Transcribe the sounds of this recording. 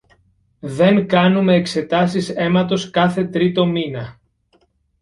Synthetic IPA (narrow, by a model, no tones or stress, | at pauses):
ðe̞ŋkɐnume̞ːkse̞t̪ɐsise̞mɐt̪o̞skɐθe̞t̪ɾit̪o̞minɐ